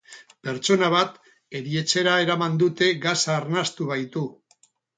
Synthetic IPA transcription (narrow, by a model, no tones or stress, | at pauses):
pe̞ɾt͡ʃo̞naβ̞at̪ | e̞ɾie̞t͡se̞ɾae̞ɾamand̪ut̪e̞ɣasaːɾnast̪uβ̞ajt̪u